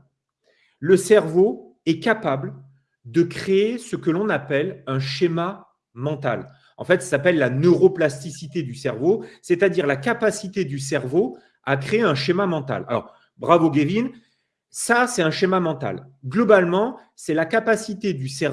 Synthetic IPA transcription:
ləsɛʁvoɛkapabl | d̪əkχeesəkəlɔ̃napɛlɛ̃ʃema | mɑ̃t̪a̰l | ɑ̰̃fɛt̪sasapɛlːanøʁoplast̪isit̪ed̪ysɛʁvosɛt̪ad̪iʁlakapasit̪ed̪ys̬ɛʁvo | akχeeɛ̃ʃemamɑ̃t̪a̰la̰lɔ̰ʁ | bʁavoɡevin | sasɛt̪ɛ̃ʃemamɑ̃t̪a̰lɡlɔbalmɑ̃ | sɛlakapasit̪ed̪ysɛ

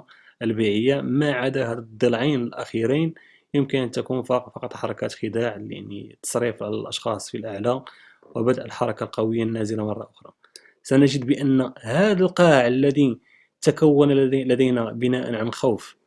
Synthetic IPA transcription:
ʔəlbiʕəjːamaʕad̪æhæd̪ˤːəlʕijnəlʔæxiɾin | jəmkənʔənt̪ækunfɑfɑqɑt̪ˤħɑɾˤɑkæt̪xəd̪aʕlḭnḭt̪ə̥sˤɾifʕalælʔɑʃxɑsˤfilʔəʕla | wəbəd̪ʔəlħɑɾˤɑkalqɑwəjːanːæzəlamɑrˤːɑʔʊxɾˤɑ | sænəʒəd̪bəʔənːhæd̪əlqɑʕəlːæd̪i | t̪akæwːənlæd̪əjnæbənæʔə̰nʕanxawf

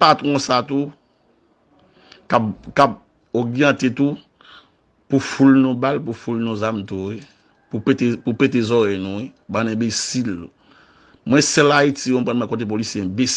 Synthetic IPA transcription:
patʁɔ̃sat̪u | kapkap̚ | oɣjãt̪et̪u | pufulnũbalpufulnũzamtui | pupetepupet̬ezɔɾɛnũibanɛ̃besil | mwɛ̃sɛlaitikõmpʁãnmwɛ̃kõt̬ep̬olisjeɛ̃bes

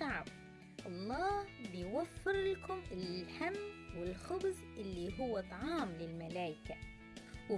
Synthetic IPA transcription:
aʕab | ʔɑlˤːɑːbɪjwafːɪɾlakʊmɪlħamːwɪlxʊbz | ʔɪlːiɦʊwːat̪ˤɑʕɑːmlɪlmalaːjɪka | w

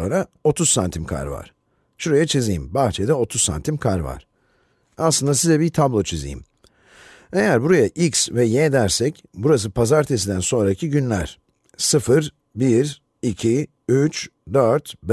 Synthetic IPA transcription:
onɾa | o̞t̪ʰuz̥sːant̪ʰimkʰa̰ɾva̰ɾ̥ | ʃuɾajat͡ʃʰizijimbaxt͡ʃʰed̪ɛo̞t̪ʰuzssa̰nt̪ʰimkʰaɾva̰ɾ̥ | aslˠɯnd̪asizɛbiɾt̪ʰablˠo̞t͡ʃʰizḭjḭm | e̞jæɾbuɾajaʔiksvɛjed̪æɾsɛc | buɾas̬ɯpʰazaɾt̪ʰes̬id̪ænso̞nɾacʰiɟynlʲæ̰ɾ̥ | sɯfɯɾ | biɾ | icʰi | yt͡ʃd̪øɾt̪b

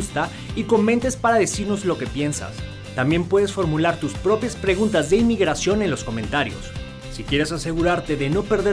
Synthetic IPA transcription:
ust̪a | iko̞mẽ̞nt̪e̞spaɾaðe̞siɾno̞zlo̞ke̞pje̞nsa̰s | t̪ambje̞mpwe̞ðe̞sfo̞ɾmulaɾt̪uspɾo̞pjaspɾe̞ɣ̞unt̪azðe̞imiɣɾasjo̞ne̞nlo̞sko̞mẽ̞nt̪aɾjo̞̰sː | ikjeɾe̞sase̞ɣuɾaɾt̪e̞ðe̞no̞pe̞ɾðe

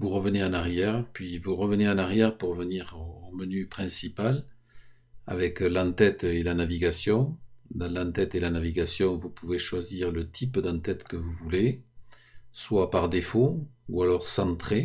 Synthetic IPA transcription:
vuʁəvəneãnaʁjɛʁpɥivuʁəvəneãnaʁjɛʁpuʁːəvəniʁomənypχɛ̃sipal | a̰vɛklɑ̃t̪ɛt̪elanaviɡasjɔ̃d̪ɑ̃lɑ̃nt̪ɛt̪elanaviɡasjɔ̃vupuveʃwaziʁlət̪ʰipd̪ɑ̃t̪ɛt̪kəvuvule | swapaʁd̪efoualɔʁsɑ̃t̪χe

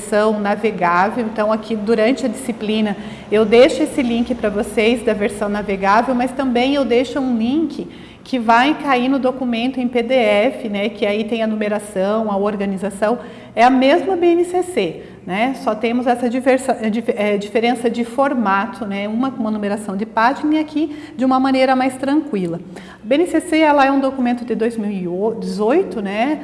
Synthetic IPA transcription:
sɐ̃w̃naveɡavewẽnt̪ɐ̃w̃akʰid̪uɾɐ̃nt͡ʃɪɐd͡ʒisiplĩnɐ | ewd̪ejʃʊesɪlĩŋkɪpɾɐvosejzd̪ɐveɾsɐ̃w̃naveɡavewmɐst̪ɐ̃bẽj̃ewd̪eʃʊũlĩŋkɪ | kʰɪvajkainʊd̪okumẽnt̪ʊẽj̃ped̪eɛfɪnɛkɪait̪ẽj̃ɐnumeɾasɐ̃w̃ɐoɾɡɐnizasɐ̃w̃ | ɛɐmezmɐbeenɪsese | nɛsɔt̪ẽmʊzɛsɐd͡ʒiveɾsɐd͡ʒifɛd͡ʒifeɾẽsɐd͡ʒɪfoɾmat̪ʰʊnɛũmɐkõũmɐnumeɾasɐ̃w̃d͡ʒ̪ɪpat͡ʃiniakʰi | d͡ʒɪũmɐmɐ̃nejɾɐmajst̪ɾɐ̃kwilɐ | ɐbeenɪseseɛlɐɛũd̪okumẽnt̪ʊd̪ɪd̪ojzmiwɪd͡ʒɪzojt̪ʊnɛ

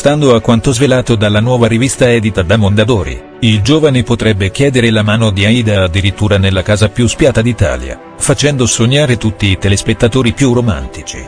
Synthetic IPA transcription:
st̪and̪oakːwant̪ozvelaːt̪od̪alːanwɔːvaɾivist̪aɛːd̪it̪ad̪amond̪ad̪oːɾḭ | ild͡ʒoːvanepot̪ɾɛbːek̟jɛːd̪eɾelamaːnod̪iaiːd̪aːd̪ːiɾit̪ːuːɾanelːakaːzapjuspjaːt̪ad̪it̪a̰ːlja̰ | fat͡ʃɛnd̪osoɲːaːɾet̪ut̪ːiːt̪elespet̪ːat̪oːɾipjuroma̰nt̪it͡ʃḭ

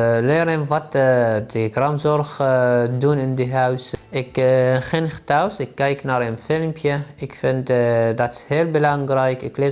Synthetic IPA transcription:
lɪːɾənʋɑtdəɡrɑmzɔrxdunɪndiɦœɥsɪkχɪnχə̥tawsɪkːɛjknaːɾənfɪlmpʰjəɪkfɪntdɑtɪ̥shɪːlˠbəlɑŋrɛjkɪ̰klɪ

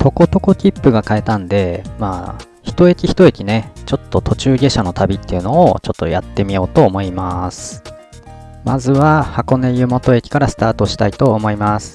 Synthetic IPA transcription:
t̪o̞ko̞t̪o̞ko̞kʲipːɯ̟ɡakae̞t̪ãnd̪e̞maː | çi̥t̪o̞e̞kʲiçi̥t̪o̞e̞kʲine̞t͡ɕo̞t̪ːo̞t̪o̞t͡ɕɨːɡʲe̞ɕano̞t̪abʲit̪ːe̞jɯ̟no̞ːt͡ɕo̞t̪ːo̞̰jat̪ːe̞mʲio̞ːt̪o̞ːmo̞imasɨ̥ | ma̰zɨβahako̞ne̞jɯ̟mo̞t̪o̞e̞kʲi̥kaɾasɨ̥t̪aːt̪o̞ɕi̥t̪ait̪o̞ːmo̞imasɨ̥

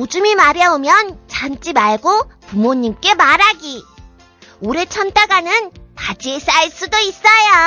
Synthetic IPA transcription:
od͡ʑumimaɾjʌomjʌnt͡ɕant͡ɕ͈imaɭɡopumoɲːimk͈e̞maɾaɡi | oɾe̞t͡ɕʰʌntʰaɡanɯnpad͡ʑies͈aiɭs͈udois͈ʌja

